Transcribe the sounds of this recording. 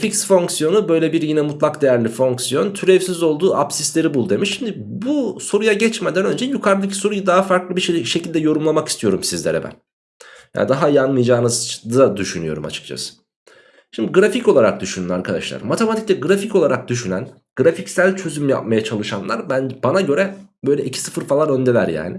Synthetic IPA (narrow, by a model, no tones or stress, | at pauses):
ficsfo̞ŋksijo̞nubø̞jlʲebiɾjinɛmut̪ʰlˠakd̪e̞jæɾlʲifo̞ŋksijo̞nt̪ʰyɾɛvsizo̞lˠd̪uːʔapsislʲe̞ɾibulˠd̪emiʃʃimd̪ibuso̞ɾujaɟɛt͡ʃmed̪ænø̞nd͡ʒɛjukʰaɾlˠɯcʰi̥so̞ɾujad̪aɦafaɾklˠɯbiʃecʰilʲd̪ɛjo̞ɾumlˠamakist̪ʰijo̞ɾumsizlʲeɾɛ̰bæ̰n | ja̰ːnd̪aɦajanmɯjd͡ʒaːnɯzd̪ad̪yʃynyjo̞̰ɾuma̰t͡ʃʰɯ̥k̚t͡ʃʰa̰sɯ̥ | ʃimd̪iɡɾafico̞lˠaɾak̚d̪yʃynyna̰ɾkʰad̪a̰ʃlˠa̰ɾmat̪ʰemat̪ʰiclʲɛɡɯɾafico̞lˠaɾak̚d̪yʃynæn | ɡ̥ɾaficsælʲt͡ʃʰø̞zymja̰p̚majat͡ʃʰalˠɯʃanlˠa̰ɾbænd͡ʒbanaɟø̞ɾɛbø̞jlʲɛʔicʰi̥sɯfɯɾfalˠaɾø̞nd̪ɛlʲæɾja̰ːnɪ